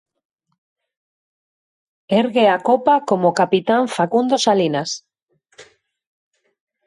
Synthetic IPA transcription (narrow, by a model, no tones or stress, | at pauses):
eɾɣeakopakomokapit̪aɱfakund̪osalinas